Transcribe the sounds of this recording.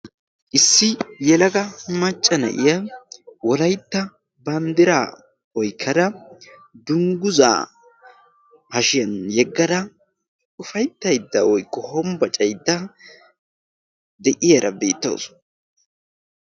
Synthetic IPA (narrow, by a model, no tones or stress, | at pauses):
ʔɪsːɪjɛlɐɡɐmɐt͡ʃʼːɐnɐ̰ʔɪjɐwɔlɐjt̪ːɐ | bɐnd̪ɪɾaː | wɔjkʰːɐd̪ɐ | d̪ʊŋɡʊza̰ː | hɐʃɪjɐnjɛɡːɐd̪ɐ | ʔʊfɐjt̪ːɐjd̪ːɐwɔjkːɔhɔmbɐt͡ʃʼɐjd̪ːɐ | d̪ɛʔɪjɐɾɐbḛːt̪ːɐ̰w̰s